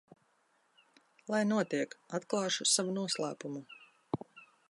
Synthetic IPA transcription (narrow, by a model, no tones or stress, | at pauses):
lˠajnuɔt̪iɛkat̪klˠɑːʃusavunuɔslˠæ̰ːpumu